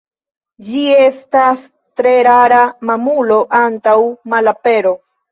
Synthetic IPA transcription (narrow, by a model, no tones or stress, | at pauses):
d͡ʒie̞stas | tɾe̞ɾaɾamamulo̞ʔantawmalape̞ɾo̞